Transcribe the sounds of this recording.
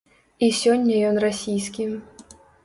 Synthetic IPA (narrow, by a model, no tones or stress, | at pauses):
isʲɔnʲːɐjɔnrasʲijskʲi